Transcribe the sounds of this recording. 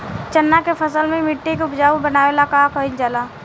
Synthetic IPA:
t͡ʃənːakepʰəsəlmẽmɪʈːekeʊpd͡ʒaːubənaːʋelakaːkəild͡ʒalaː

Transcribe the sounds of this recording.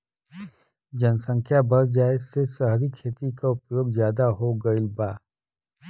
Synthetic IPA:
d͡ʒɐnsə̃ŋkʰjabɐɾd͡ʒaːesesəɦɾikʰeːt̪ikaʊpjoːɡzjaːd̪aɦoɡɐilbaː

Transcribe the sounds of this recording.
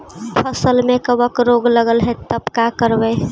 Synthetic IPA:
pʰəsəlmẽkəbəkɾoɡləɡəlɦɛt̪əpkakəɾbəj

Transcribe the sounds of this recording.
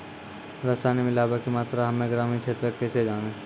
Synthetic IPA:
ɾəsaːnemɪlaːbəkimaːt̪ɾaɦɐmẽɡɾaːmĩkt͡ʃʰeːt̪ɾəkːɛsed͡ʒaːneː

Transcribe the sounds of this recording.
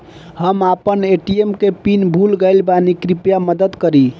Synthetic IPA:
həmapəneʈiemkepinbʱulɡəɪlbanikɾipjaməd̪əd̪kəɾi

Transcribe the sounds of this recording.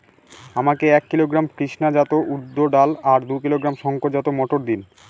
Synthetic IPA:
amakeɛkːiloɡɾamkɾiʃnad͡ʑat̪oʔud̪ːoɖalaɾd̪ukiloɡɾamʃɔŋkoɾd͡ʑat̪omɔʈoɾd̪in

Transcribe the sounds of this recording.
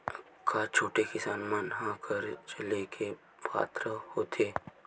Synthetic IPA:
kʰaːt͡ʃʰoːʈekɪsaːnmanɦãkʰəɾt͡ʃɐlekʰe | pa̰ːt̪ɾəhoːt̪ʰeː

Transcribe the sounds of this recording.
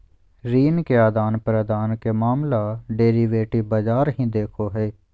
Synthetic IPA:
ɾiːnkeaːd̪aːnpɾəd̪aːnkemaːmlaːɖeːɾiːʋeːʈiːbad͡ʒaːɾɦĩːd̪eːkʰoːɦɛː

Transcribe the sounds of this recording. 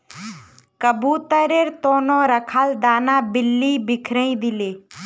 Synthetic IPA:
kəbuːt̪əɾeɾt̪oːnõːɾəkʰaːld̪aːnãːbɪlːibɪkʰɾə̃ĩd̪ɪleː

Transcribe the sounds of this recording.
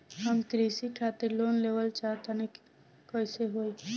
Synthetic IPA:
ɦəmkɾiːsikʰaːt̪ɪɾloːnleːʋəlt͡ʃaːt̪ane | koɪseɦoːi

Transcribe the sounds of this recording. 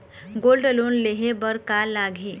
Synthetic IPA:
ɡoːlɖloːnleɦebəɾkalaːɡʱeː

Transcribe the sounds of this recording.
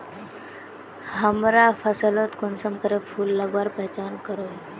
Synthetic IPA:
həmɾafʰəsəlot̪konsəmkəɾefʰuːlːəɡʋaɾpəɦt͡ɕankəɾo

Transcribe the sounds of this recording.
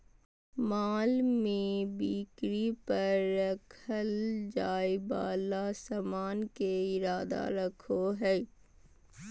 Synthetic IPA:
maːlmẽbiːkɾipɐɾːɐkʰəld͡ʒaːjba̰ːlasɐmaːnkeɪɾaːd̪a̰ɾɐkʰoɦɛː

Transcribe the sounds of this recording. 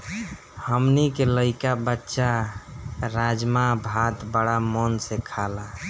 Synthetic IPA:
həmnikeləɪkabətːʃa | ɾad͡ʒmabʱat̪bəɽamɔnsekʰala

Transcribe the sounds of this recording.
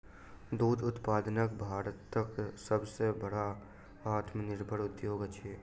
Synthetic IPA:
d̪uːd̪ʊt̪paːd̪nəkbʱaːɾət̪ːəksəbsebəɽa | aːt̪mənɪɾbʱəɽʊd̪joːɡt͡ʃʰeː

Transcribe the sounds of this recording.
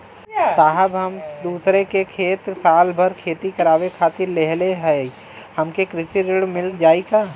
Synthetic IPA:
saːɦəbɦəmd̪uːsɾekekʰeːt̪saːlbʱəɾkʰeːt̪ikɐɾaːʋekʰaːt̪ɪɾleɦleɦɛ | həmkekɾɪʃiɾɪɽmɪld͡ʒaːikaː

